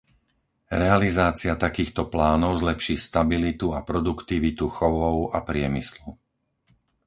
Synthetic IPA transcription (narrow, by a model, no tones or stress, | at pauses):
ɾɛalizaːt͡siɪat̪akiːxt̪ɔplaːnɔʊzlɛpʃiːst̪abilit̪uapɾɔd̪ukt̪iʋit̪uxɔʋɔʊapɾɪɛmislu